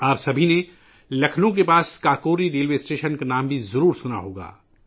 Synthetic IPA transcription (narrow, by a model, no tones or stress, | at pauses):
ɔːɾsɐbʱine | lɐkʰnõk̬epaːskaːkoːɾiɾeːlʋeːsʈeːʃənkanaːmbʱizɐɾuːɾsʊna̰ɦoːɡa̰ː